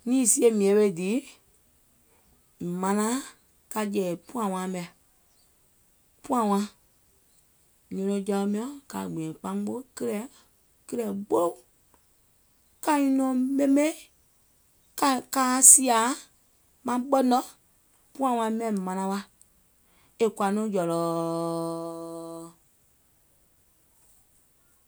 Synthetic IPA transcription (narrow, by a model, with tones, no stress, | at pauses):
nĩː˦˨si˦e˧˨mĩ˨ɛ̃˨˦ɓe˧˨diː˨˦˨ | mã˧nã˦ | ka˧d͡ʒɛː˨pũ˦ã˨wã˧˦mɛ̃˨ | pũ˦ã˨wã˧˦ | ɲɔ̃˧nɔ̃˧˦d͡ʒa˧o˧mĩ˧˦ɔ̃˦ka˨ɡ͡bĩ˨ɛ̃˨k͡pã˧˦ŋ˦ɡ͡bo˦kə˦lɛ˨ | kə˦ɾɛ˨ɡ͡bo˦o˦ | kã˦ĩ˧nɔ̃˨mẽ˦mẽ˦ | ka˨kaː˦si˦a˨˦ | mã˧˦ɓɔ˦nɔ̃˦ | pũ˦ã˧˨w̃ã˧˦mɛ̃˨mã˧nã˧˦wa˧ | e˨kwa˨nũ˦d͡ʒɔ˨lɔː˨